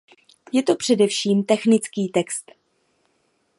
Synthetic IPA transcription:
jɛt̪o̞pr̝̥ɛdɛfʃiːmt̪ɛxnɪt͡skiːt̪ɛkst̪

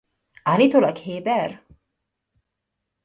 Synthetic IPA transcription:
alit̪olakheːbɛr

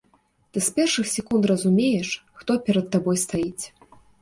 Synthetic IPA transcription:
t̪ɨspʲɛrʂɨxsʲɛkunt̪rɐzumʲejɛʂxt̪ɔpʲɛɾɐt̪ːabɔjst̪ajit͡sʲ

